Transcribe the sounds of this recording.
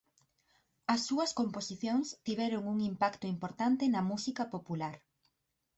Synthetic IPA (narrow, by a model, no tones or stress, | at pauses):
ɐsːuɐskomposiθjoŋst̪iβɛɾoŋuŋimpakt̪oimpoɾt̪ant̪enɐmusikɐpopulaɾ